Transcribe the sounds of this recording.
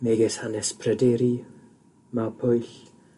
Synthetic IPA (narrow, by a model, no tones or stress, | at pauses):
meɡɛshanɛspʰrɛdɛɾi | mapʰʊjɬ